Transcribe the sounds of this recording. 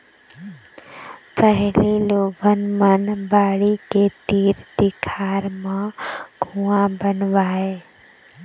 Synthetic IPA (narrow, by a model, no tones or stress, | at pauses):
pəɦliloːɡənmənbaːɽiket̪iːɾd̪ɪkʰaːɾmãɡʱuãbənʋaːeː